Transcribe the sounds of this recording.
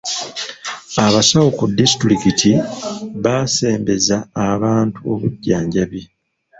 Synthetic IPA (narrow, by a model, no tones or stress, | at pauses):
aβasawokudistɾikitʰiβaːse̞ːmbe̞zaːβaːntuo̞̰βuɟːaːɲɟaβje̞